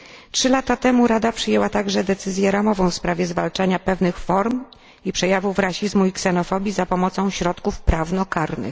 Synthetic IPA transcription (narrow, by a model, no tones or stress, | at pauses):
tʂɘlat̪at̪ɛmuɾad̪apʂɘjɛwat̪aɡʐɛd̪ɛt̪sɘzʲjɛɾamɔvɔ̃w̃fspɾavʲjɛzvalt͡ʂaɲapɛvnɘxfɔɾm | ipʂɛjavuvɾaɕizmuiksɛn̪ɔfɔbʲjizapɔmɔt̪sɔ̃w̃ɕɾɔt̪kufpɾavnɔkaɾnɘ̰x